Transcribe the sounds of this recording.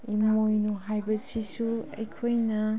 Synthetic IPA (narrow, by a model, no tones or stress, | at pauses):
imojnuɦajbɐsisuɐ̰jkʰojnɐ